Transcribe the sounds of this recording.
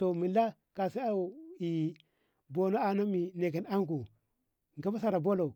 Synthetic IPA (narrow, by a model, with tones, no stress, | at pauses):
to˨mi˨la˦ | ka˨sa˦a˨i˨ | bo˨no˦a˨na˦mi˨ne˨ki˨na˦ŋɡu˨ | ŋ˨ɡa˦ba˦sa˨ɾa˨bo˦lo˨